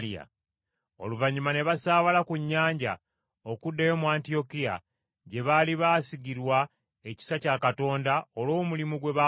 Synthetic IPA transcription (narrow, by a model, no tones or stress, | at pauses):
lia̰ | o̞̰luvaɲimane̞βasaːβalakuɲːaːɲɟa̰ | o̞kudːejo̞muaːntio̞kija̰ | ɟe̞βaliβaːsiɡiɾwa | e̞ci̥sacakato̞ːndaolo̞ːmulimuɡwe̞βa